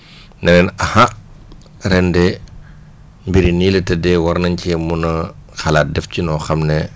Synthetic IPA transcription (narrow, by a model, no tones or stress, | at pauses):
nɛnɛnɐha | ɾɛndɛ | mbiɾiniːlɛtɛdɛwɐɾnɐɲcɛmunɐxalaːt̚dɛfcinɔxɐmnɛ